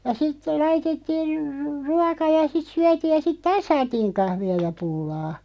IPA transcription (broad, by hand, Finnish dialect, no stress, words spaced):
jɑ sitːe lɑitetːiː r ru ruɑkɑ jɑ sit syætiːj jɑ sit tɑːs sɑːtiːŋ kɑhʋiɑ jɑ pulːɑː